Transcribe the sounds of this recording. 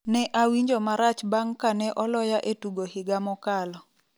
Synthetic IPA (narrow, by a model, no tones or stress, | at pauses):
nɛʔawiɲd͡ʒomaɾat͡ʃbaŋkanɛʔɔlɔjaʔetuɡohɪɡamɔkalɔ